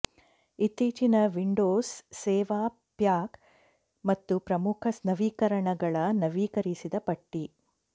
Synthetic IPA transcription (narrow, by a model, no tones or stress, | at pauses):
it̪ːiːt͡ʃinɐʋiɳɖoːsːɛːʋaː | pjaːk | mɐt̪ːupɾɐmukʰɐsnɐʋiːkɐɾɐɳɐɡɐɭɐnɐʋiːkɐɾisid̪ɐpɐʈːi